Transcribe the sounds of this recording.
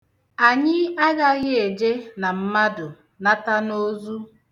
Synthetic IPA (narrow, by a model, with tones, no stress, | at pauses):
a˨ɲɪ˦a˦ɡa˦ɣɪ˦e˨d͡ʒe˦na˨m̩˦ma˦dʊ˨ | na˦ta˦no˦zu˦